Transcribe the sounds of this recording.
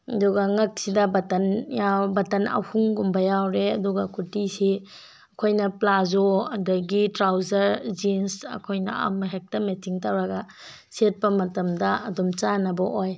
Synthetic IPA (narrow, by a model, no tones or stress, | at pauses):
ɐduɡɐŋɐk̚sidɐbɐtɐnjawbɐtɐnɐ̰whuŋɡumbɐjawɾeɐduɡɐkutisi | ɐkʰojnɐplazoɐdɐɡitɾawzɐɾd͡ʒinsɐ̰kʰojnɐ̰a̰mɐɦek̚tɐmetiŋtawɾɐɡɐ | set̚pɐmɐtɐmdɐɐdɔmt͡ʃanɐbɐʔoj